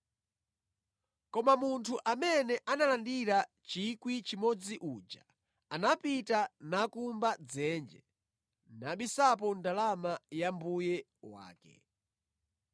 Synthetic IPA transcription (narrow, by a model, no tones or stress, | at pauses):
kɔmamuntʰuʔamɛnɛʔanalandiɾa | t͡ʃikwit͡ʃimɔd͡ziʔud͡ʒa | anapitanakumbad͡zɛnd͡ʒɛ | naɓisap̬ɔndalamajambujɛ | wa̰ːkɛ̰